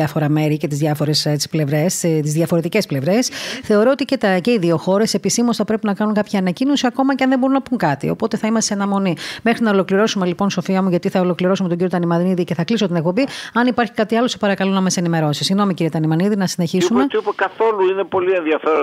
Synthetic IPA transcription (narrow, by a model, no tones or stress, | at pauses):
ɐfo̞ɾɐme̞ɾice̞t̪izðʝɐfo̞ɾessple̞vɾe̞st̪izðʝɐfo̞ɾe̞t̪ice̞sple̞vɾe̞sθe̞oɾo̞ot̪icet̪ɐce̞iðio̞xo̞ɾe̞se̞pisimosθɐpɾepinɐkɐnuŋkɐpçɐɐnɐcino̞siɐko̞mɐceɐnðe̞mbo̞unɐpuŋkɐt̪ḭo̞̰po̞t̪e̞θɐimɐst̪eɐnɐmo̞nimexɾinɐolo̞kliɾo̞sume̞lipo̞nso̞fiɐmuʝɐt̪iθɐolo̞kliɾo̞sumet̪oɟiot̪ɐnimɐnniðiceθɐklisot̪inek̚po̞biɐnipɐɾçi̥kɐt̪iɐlo̞sepɐɾɐkɐlo̞nɐmɐse̞nime̞ɾo̞sisiɣno̞miciɾiɐt̪ɐnimɐniðinɐsine̞çisumet̪iupekɐθo̞luine̞po̞lie̞nðiɐfeɾo